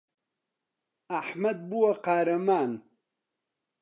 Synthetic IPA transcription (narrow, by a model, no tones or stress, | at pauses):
aħmɐd̪̚buwɐqaːɾɐmaːn